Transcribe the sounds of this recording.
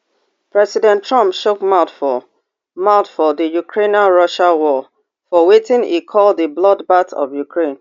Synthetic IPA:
pɹɛsidɛ̃ntʰɹʌ̃mpʃokmaʊtfɔ | maʊtfɔðəjukʰɹẽnaɹʌʃawɔ | fɔwetɪ̃nḭkʰɔlˠdðəblɔdbatɔ̰vjukʰɹẽn

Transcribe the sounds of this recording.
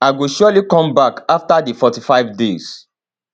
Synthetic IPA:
aɪɡoʃɔlikɔ̃mbakaftadifɔtifaɪvdez̥

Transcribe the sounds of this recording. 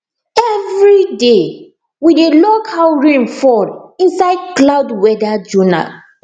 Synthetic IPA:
ɛvɹide | widelokʰalɹĩmfɔlĩnsaɪd̚klawdwɛdad͡ʒuna̰

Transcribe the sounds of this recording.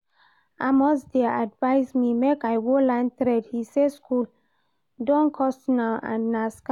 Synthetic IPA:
amɔsdeadvaɪsmimekajwolãntɾɛdhiseskʰul | dɔ̃nkʰɔstnaã̰nːaska

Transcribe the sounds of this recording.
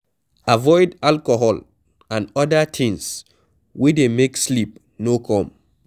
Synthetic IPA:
avɔɪdalkoɦɔl | ãnɔdatʰɪ̃ŋs | widemekslip̚ | nokʰɔ̃m

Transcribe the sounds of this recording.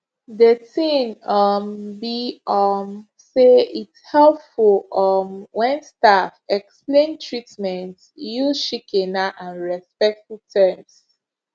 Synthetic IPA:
dətĩnʌmbiɔm | seithɛlpfuɔmwɛ̃nstafɛksplẽntʰɹitmɛ̃nt | juzʃikʰɛnaʔãnɹɛspɛk̚tfutʰɛms

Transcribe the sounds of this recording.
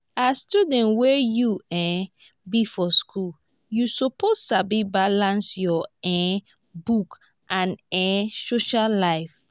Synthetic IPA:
astudɛ̃nwɛjuɛ̃ | bifɔskʰul | jusopostabibalãnsjɔɛ̃ | buk | ʔãnɛ̃soʃalaɪf

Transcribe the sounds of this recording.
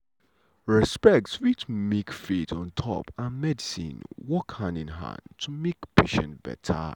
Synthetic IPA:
ɹɛspɛk̚tswitʰmekfitɔ̃ntʰɔ̰pãnmɛdisḭ̃nwɔkhãndɪ̃nɦã̰ndtʰumekpʰeʃə̰̃nb̥ɛ̰tʰə̰

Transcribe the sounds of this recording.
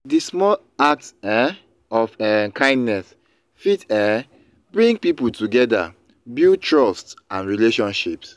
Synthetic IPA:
dismɔl | ak̚tɛ | ɔfɛkʰãɪ̃ndnɛs | fitɛ | bɹĩŋɡpipul̩tuɡɛda̰ | bitɹɔstsãnɹileʃɔ̃nʃips

